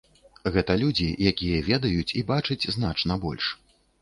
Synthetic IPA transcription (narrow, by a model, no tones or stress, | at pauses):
ɣɛt̪ɐlʲud͡zʲijakʲijɐvʲɛd̪ɐjut͡sʲibat͡ʂɐt͡sʲzn̪at͡ʂnɐbɔ̰lʲʂ